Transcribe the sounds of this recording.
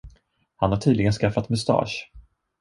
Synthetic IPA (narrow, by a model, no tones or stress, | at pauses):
hanhaʈʰiːd̪lɪɡənskafːat̪mɵst̪ɑ̰ːʂ